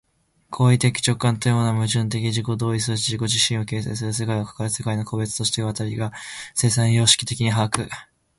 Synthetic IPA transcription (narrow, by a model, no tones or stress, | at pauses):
kʰo̞ːit̪ekʲi̥t͡ɕo̞kːãnt̪ojo̞ːnamɯ̟ʑɨ̃nt̪̬e̞kʲiʑiko̞d̪o̞ːisɨiʑiko̞ʑiɕĩɰ̃o̞ke̞ːseːs̬ɨɾɯ̟s̬e̞kaiokḁkaɾɯse̞kaino̞kʰo̞be̞t͡sɨ̥t̪o̞ɕi̥t̪eɯβat̪aɾʲiɡase̞ːsãɰ̃jo̞ːɕi̥kʲit̪e̞kʲiɲ̟iɦaakɯ̟